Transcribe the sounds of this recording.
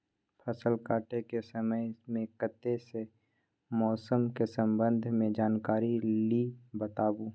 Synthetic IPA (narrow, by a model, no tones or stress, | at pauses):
pʰɐsəlkaːʈekesəməjmẽkət̪ːese | mɔːsəmkesə̃mbə̃nd̪ʱmẽd͡ʒaːnkaːɾilibət̪aːbuː